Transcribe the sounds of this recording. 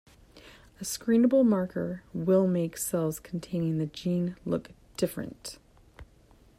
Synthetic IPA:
ɨskɹĩnəbl̩ˠmɑɹkʰə̰˞wɪlˠmeɪksɛlˠz̥kʰn̩tʰẽɪ̃nɪ̃ŋðɨd͡ʒĩnlʊ̰k | d̥ɪfɹɨ̰̃nt

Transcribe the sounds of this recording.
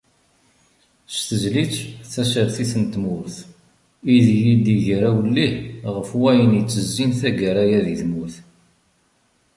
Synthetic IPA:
st̪əzlit͡sθæsəɾθiθənt̪mʊɾθ | iðjid̪iʝɾæwəlːihʁəfwæjənit͡sːəzːinθæɡəɾæjæðiθmuθ

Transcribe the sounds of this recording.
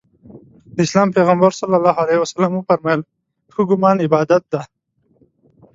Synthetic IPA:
d̪əislaːmpeɣəmbəɾsalːalaːɦalehwɐsalamufaɾmal | t̪ʰuɡʊmɑːnɪbɑːd̪at̪̚d̪a

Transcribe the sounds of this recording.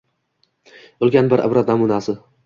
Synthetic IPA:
olˠɡʲanbɪɾʔa̰bɾat̪̚namunasɪ

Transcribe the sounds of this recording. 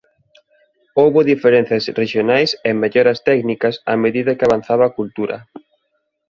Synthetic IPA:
owβoðifeɾen̟θjasreʃjonajseŋmeʎɔɾɐst̪ɛknikɐsa̰meðiðɐkɪaβan̟θaβaːkult̪uɾɐ̰

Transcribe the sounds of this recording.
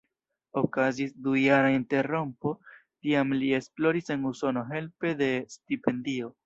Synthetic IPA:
o̞kazisdujaɾainte̞ɾo̞mpo̞tiamlie̞splo̞ɾise̞nuso̞no̞ɦe̞lpe̞de̞stipe̞ndio̞

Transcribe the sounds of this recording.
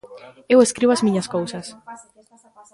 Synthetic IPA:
eweskɾiβoazmĩɲɐskowsɐs

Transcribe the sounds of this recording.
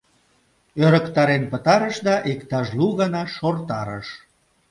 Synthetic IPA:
øɾəkt̪ɑɾenpət̪ɑɾəʃd̪ɑʔekt̪ɑʃluɣɑnɑʃort̪ɑɾə̰ʃ

